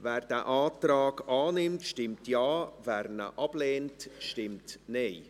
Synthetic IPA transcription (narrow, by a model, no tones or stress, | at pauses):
vɛːɾd̥æːʔaːtrɑːɡɑːnɪmtʃtɪmtjɑːvɛːɾnə̰ʔɑb̥leːntʃtɪmtneɪ